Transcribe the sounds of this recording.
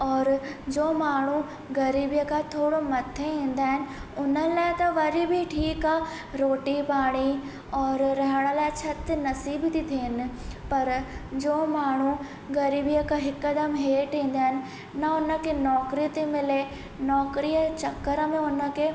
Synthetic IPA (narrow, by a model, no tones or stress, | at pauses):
ɔːɾd͡ʑoːmaːɳ̤u | ɣɐɾiːbijəkʰat̪ʰoːɽomɐt̪ʰeĩːn̆d̪aːɦɪnɪ̆ʊnəlaːɪt̪ɐʋɐɾibʱɪʈʰiːka | ɾoːʈipaːɽ̃i | ɔːɾɾɐɦəɽ̃əlaːɪt͡ɕʰɐt̪nɐsiːbɪt̪it̪ʰiɪnɪ̆pɐɾd͡ʑoːmaːɳ̤u | ɣɐɾiːbijəkʰãɦɪkːəd̪əmɦeːʈĩːn̆d̪aːɦɪnɪ̆ | nɐʊnə̆kʰenɔːkɾiət̪emɪle | nɔːkɾijət͡ɕɐkːəɾəmẽʊnə̆kʰeː